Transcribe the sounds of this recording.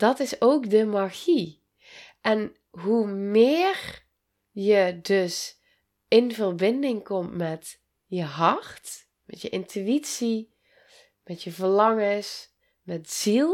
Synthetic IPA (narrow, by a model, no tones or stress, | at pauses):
d̥ɔtɪsoːkdəmaɣi | ʔɛn | ɦumɪːr | jədøs | ɪnvərbɪndɪŋkɔmtmɛt | jəɦɑrt | mɛtjəʔɪntʰyitsi | mɛtjəvərlɑŋəs | mɛtz̥ilˠ